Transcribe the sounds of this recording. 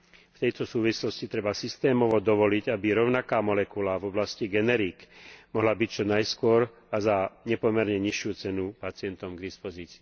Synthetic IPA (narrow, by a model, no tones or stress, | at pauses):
ft̪ɛjt̪ɔsuːʋislɔscit̪ɾɛbasist̪ɛːmɔʋɔd̪ɔʋɔliɟabiɾɔʊnakaːmɔlɛkulavɔblasciɡɛnɛɾiːkmɔɦlabict͡ʃɔnajskʊɔɾ | azaɲɛpɔmɛɾɲɛɲiʃjut͡sɛnupat͡sɪɛnt̪ɔmɡd̪ispɔziːt͡si̥ː